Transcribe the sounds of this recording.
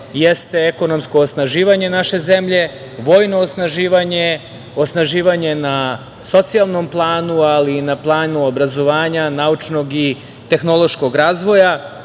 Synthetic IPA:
jest̪e̞eko̞no̞mskoːsnaʒiːʋaɲe̞naʃe̞ze̞mʎe̞ | ʋo̞ːjno̞ːsnaʒiːʋaɲe | osnaʒiːʋaɲe̞na | so̞t̪sialˠno̞mplˠaːnualinaplˠaːnuobɾazo̞ʋaːɲanaut͡ʃno̞ɡi | t̪e̞xno̞lˠo̞ʃko̞ɡɾaːzʋo̞ja

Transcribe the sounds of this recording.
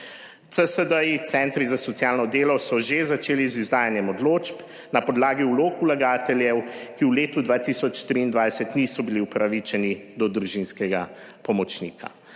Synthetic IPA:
t̪səsəd̪əit̪sɛnt̪ɾizasɔt̪sjaːlnɔd̪eːlɔsɔʒezat͡ʃeːlizizd̪aːjanjɛmɔd̪loːt͡ʃp | napɔd̪laːɡiuloːkulaɡaːt̪ɛljɛwkiwleːt̪ud̪ʋaːt̪isɔt͡ʃt̪ɾiːnd̪ʋajsɛt̪nisɔbiliupɾaʋit͡ʃɛnid̪ɔd̪ɾuʒinskɛɡa | pɔmɔt͡ʃniːkʰa̰

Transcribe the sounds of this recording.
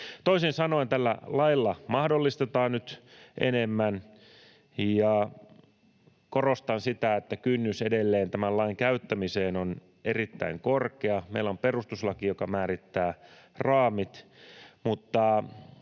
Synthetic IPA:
t̪oisinsɑnoint̪ælːæ̰lɑilːɑmɑhdolːist̪et̪ɑːnnyt̪ʔḛnemːæn | jɑ | korost̪ɑnsit̪æet̪ːækynːysedelːeːnt̪æmælɑiŋkæyt̪ːæmiseːnon | erit̪ːæ̰iŋkorkeɑmeilomperust̪uslɑkijokɑmæːɾit̪ːæː | rɑːmit̪mut̪ːɑ

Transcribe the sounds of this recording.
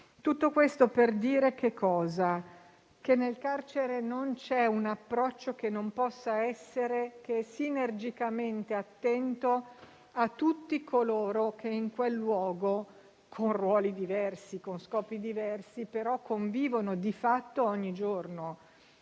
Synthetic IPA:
t̪ut̪ːokwest̪operd̪iːɾekekʰːɔːza | kenːelkart͡ʃeɾenont͡ʃɛunapːɾɔt͡ʃːokenːompɔsːaɛsːeɾekeɛsinerd͡ʒikament̪eat̪ːɛnt̪o | at̪ːut̪ːikʰoloːɾokeiŋkwelːwɔːɡo | kʰonrwɔːlid̪ivɛrsikonskɔːpid̪ivɛrsipeɾɔkʰːoɱviːvonod̪ifat̪ːoɔɲːid͡ʒorno

